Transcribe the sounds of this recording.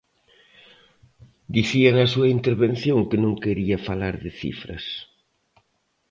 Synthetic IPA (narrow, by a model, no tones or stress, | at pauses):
d̪iθiɐnɐsuɐint̪eɾβenθjõŋkɪnõŋkeɾiɐfalaɾðɪθḭfɾɐ̰s